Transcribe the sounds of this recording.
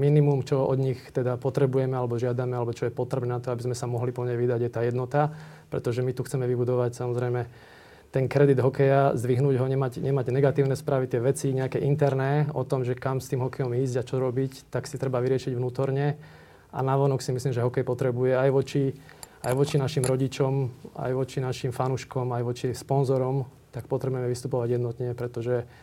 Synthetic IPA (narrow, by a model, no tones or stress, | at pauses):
minimumt͡ʃɔɔ̰d̪ɲixt̪ɛd̪apɔt̪ɾɛbujɛmɛalɛbɔʒɪad̪amɛalɛbɔt͡ʃɔjɛpɔt̪ɾɛbnɛːnat̪ɔabizmɛsamɔɦlipɔɲɛjʋid̪aɟjɛt̪aːjɛd̪nɔt̪a | pɾɛt̪ɔʒɛmit̪uxt͡sɛmɛʋibud̪ɔʋacsamɔzɾɛjmɛ | t̪ɛnkɾɛd̪id̪ɦɔkɛjazd̪ʋiɦnuːɟɦɔɲɛmaɟɲɛmaɟnɛɡat̪iːʊnɛspɾʔaːʋit̪ɪɛʋɛt͡siɲɛakɛʔint̪ɛɾnɛːɔ̰t̪ɔmʒɛkamst̪iːmɦɔkɛjɔmiːzɟat͡ʃɔɾɔbict̪aksit̪ɾɛbaʋiɾɪɛʃiɟʋnuːt̪ɔɾɲɛ | ʔa̰naʋɔnɔksimislimʒɛɦɔkɛjpɔt̪ɾɛbujɛajʋɔt͡ʃi | a̰jʋɔt͡ʃinaʃimɾɔɟit͡ʃɔma̰jʋɔt͡ʃinaʃimfanuːʃkɔmajʋɔt͡ʃispɔnzɔɾɔm | t̪akpɔt̪ɾɛbujɛmɛʋist̪upɔʋaɟjɛd̪nɔt̪ɲɛpɾɛt̪ɔʒɛ